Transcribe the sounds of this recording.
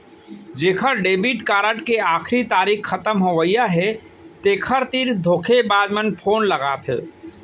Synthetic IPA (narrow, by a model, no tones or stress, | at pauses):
d͡ʒeːkʰəɾɖeːbiʈkaːɾəʈkeaːkʰɾit̪aːɾikːət̪əmɦoʋəijaɦɛ | t̪eːkʰəɾt̪iɾd̪ʱoːkʰebaːd͡ʒmənpʰoːnləɡaːt̪ʰɛ̰